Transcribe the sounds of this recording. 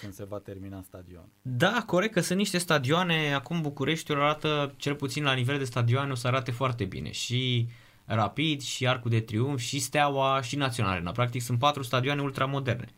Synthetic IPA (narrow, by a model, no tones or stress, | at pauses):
kɨnd̪se̞vat̪erminast̪ad̪io̰nd̪ako̞ɾe̞k̚t̪əsunt̪niʃt̪e̞st̪ad̪ioane̞akumbukuɾe̞ʃt̪ʲoɾaɾat̪ət͡ʃe̞lput̪sinlanive̞ld̪e̞st̪ad̪ioaneo̞səaɾat̪efoart̪e̞bḭne̞̰ʃi | rapid̪ʃiarkud̪e̞t̪ɾiunfʃist̪eawaʃinat̪sijo̞na̰led̪a̰pɾak̚t̪iksunt̪pat̪ɾust̪ad̪ianeult̪ɾamo̞d̪e̞rne̞̰